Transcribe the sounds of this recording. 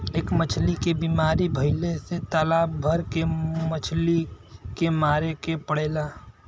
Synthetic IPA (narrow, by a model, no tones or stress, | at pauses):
eːkmət͡ʃʰlikebiːmaːɾibʱəɪleset̪alaːbbʱəɾkemət͡ʃʰlikemaːɾekepəɽeːlaː